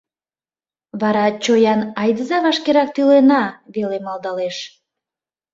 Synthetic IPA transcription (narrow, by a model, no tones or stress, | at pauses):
βɑɾɑt͡ɕojɑnɑjd̪əzɑβɑʃkeɾɑk̚t̪ylenɑβelemɑld̪ɑleʃ